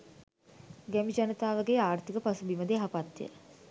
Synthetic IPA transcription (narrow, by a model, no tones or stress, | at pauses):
ɡæmid͡ʒanət̪aːʋaɡeːaːrt̪ikəpasubiməd̪eɦapat̪ːiə̰